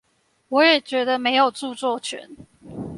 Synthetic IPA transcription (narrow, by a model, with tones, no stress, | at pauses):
wɔ˨˥jɛ˨˩t͡ɕɥɛ˧˥d̪ə˧me˧˥ɪjo˨˩ʊt͡su˥˧t͡swɔ˥˨˩t͡ʃʰɥɛ̰˨˧˦n